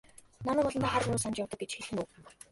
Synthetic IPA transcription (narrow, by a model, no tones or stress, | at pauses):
nanəːpɔɮɞ̆naːχaɾnuːsant͡ɕjawt̪ə̆k̚ɡet͡ɕxeɮɘ̆nuː